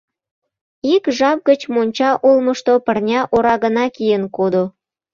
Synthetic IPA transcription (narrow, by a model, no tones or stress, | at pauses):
ikʒɑp̚ɡət͡ɕmonʲt͡ɕɑʔulməʃt̪opərnʲɑʔoɾɑɣənɑkijənkod̪o